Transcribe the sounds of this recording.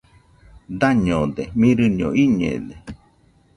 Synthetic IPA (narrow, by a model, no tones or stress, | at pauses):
d̪aɲõd̪emĩɾɨɲõ̰ʔiɲḛd̪e